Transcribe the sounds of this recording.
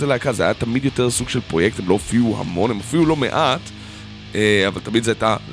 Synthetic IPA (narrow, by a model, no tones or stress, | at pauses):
seleakazeajat̪amid̪jo̞te̞ʁsuɡʃelpʁo̞jek̚t̪emlo̞afiuha̰mo̞nemafilulo̞mḛʔat̪ | ea̰valt̪amid̪zeajta